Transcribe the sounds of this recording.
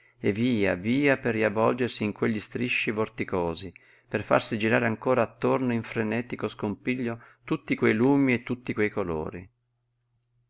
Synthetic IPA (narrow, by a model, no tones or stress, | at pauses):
eviːa̰viːaperːiavɔld͡ʒersiːŋkweʎːist̪ɾiʃːivort̪ikoːzi | perfa̰rsid͡ʒiɾaːɾeaŋkoːɾaːt̪ːornoiɱfɾenɛːt̪ikoskompiʎːot̪ut̪ːikwejluːmiet̪ːut̪ːikwejkolo̰ːɾḭ